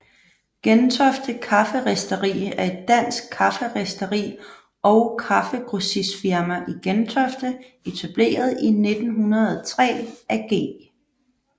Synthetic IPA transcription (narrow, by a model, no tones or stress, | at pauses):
ɡ̥ent͡sʰɒfd̥əkʰɑ̈fəʁesd̥əʁḭːæɐe̝d̥ːæn̰sɡ̥̚kʰːɑ̈fəʁesd̥əʁḭː | ɒʊkʰɑ̈fəɡ̥ʁusisfiɐmæʔiɡ̥ent͡sʰɒfd̥ə | e̝t͡sʰæb̥le̝̰ːɐð̞ˠine̝d̥n̩ɦunɐðˠt͡sʰʁɛ̰ːæɡ̥e̝̰ː